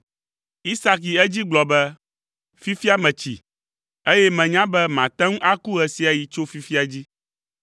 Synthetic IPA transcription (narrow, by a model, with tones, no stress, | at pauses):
i˦sa˦k̬i˨ɛ˦d͡ʑi˦ɡ͡blɔ˨bɛ˦ | fi˦fi˦a˦mɛ̃˨t͡ɕḭ˨ | e˦jɛ˦mɛ̃˨ɲã˦bɛ˦mã˨t̪ɛ̃˦ŋ̩̃˦ʔa˦ku˦ɣɛ˨si˨a˨ji˨t͡ʃo˦fi˦fi˦a˨d͡ʑi˦